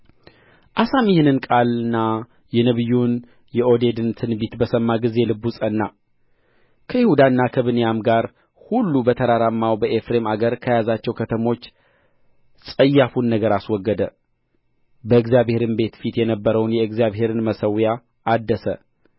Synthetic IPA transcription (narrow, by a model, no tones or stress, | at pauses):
ʔasamjɪhɨnɨnkʼalɨnːa | jɛnəβɨjun | jɛʔo̞d̪e̞d̪ɨnt̪ʰɨnbit̪bəsəmːaɡɨze̞lɨbːusʼənːa | kʰəjɪhud̪anːakʰəβɨnjamɡaɾ | hulːubət̪ʰəɾaɾamːawbəʔefɾe̞maɡəɾkʰəjazat͡ʃːɛwkʰət̪ʰəmo̞t͡ʃː | sʼəjːafunːəɡəɾaswɔɡːəd̪ə | bəɨɡzijaβhe̞ɾɨnbe̞t̪fit̪jɛnəbːəɾəwnjɛɨɡzijaβɦe̞ɾɨnməsəwjaː | d̪ːəsə̰